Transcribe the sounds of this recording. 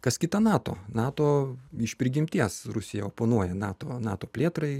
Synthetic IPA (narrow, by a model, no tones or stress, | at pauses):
kɐskʲɪt̪ɐnɑːt̪oːnɑːt̪oːɪʃpʲɾʲɪɡʲɪmʲt̪ʲiɛsɾʊsʲɪjɛoːpoːnuɔjɛnɑːt̪oːnɑːt̪oːpʲlʲeːt̪ɾɐɪ